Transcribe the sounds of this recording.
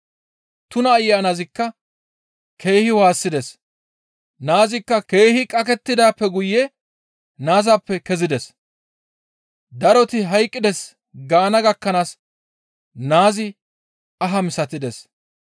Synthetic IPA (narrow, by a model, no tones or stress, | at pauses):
t̪ʊnɐːjːaːnazɪkːɐ | kʰe̞ːhɪwaːsːɪd̪ɛs | naːzɪkːɐke̞ːhɪkʼɐk̬ɛt̪ːɪd̪aːpːɛɡʊjːɛ | naːzaːpːɛkɛzɪd̪ɛs | d̪ɐɾɔt̪ɪɦɐjkʼːɪd̪ɛs | ɡaːnɐɡɐkːɐnaːs | naːzɪ | ɐɦɐmɪsɐt̪ɪd̪ɛs